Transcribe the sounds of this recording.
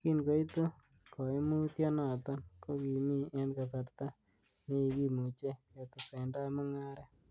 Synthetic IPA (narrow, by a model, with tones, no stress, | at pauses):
ki˦nko˨˦i˦t̪o˦ | kɔ˨e˦mu˦tjɔ˦na˨t̪ɔ˦nko˦ki˨mi˦ɛ˦nka˨sa˨ɾt̪a˦ | ne˦i˨ki˦mu˨t͡ʃe˦kɛ˨t̪ɔ˨sɛ˨nda˦ma˦ŋa˦ɾɛ˦